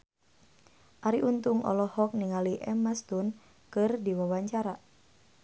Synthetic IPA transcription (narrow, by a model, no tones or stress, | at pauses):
ʔaɾiʔunt̪uŋʔɔ̰lɔhɔk̚niŋaliʔɛmast̪un | kɨrdiwawaɲt͡ʃaɾa